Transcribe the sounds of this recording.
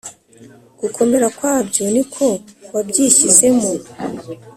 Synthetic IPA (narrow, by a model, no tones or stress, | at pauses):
ɡ̥ukʰo̞me̞ɾakwaːbɟo̞nikʰo̞wabɟiːʃize̞mu